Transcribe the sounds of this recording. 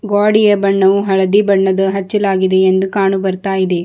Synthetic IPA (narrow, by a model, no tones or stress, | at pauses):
ɡaːɽijɐbɐɳːɐʋuɦɐɭɐd̪ibɐɳːɐd̪ɐɦɐt͡ʃːɐlaːɡid̪eːnd̪ukaːɳubɐɾt̪aːjid̪e̞